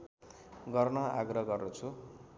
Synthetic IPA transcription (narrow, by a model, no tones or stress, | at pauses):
ɡʌrnʌaɡrʌɡʌrnut͡sʰu